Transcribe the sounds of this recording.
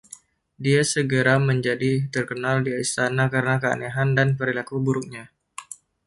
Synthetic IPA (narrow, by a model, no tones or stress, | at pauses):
diasəɡəɾaməɲd͡ʒadit̪ərkənaldiaist̪anakaɾənakəa̰neɦandanpəɾilakubuɾuk̚ɲa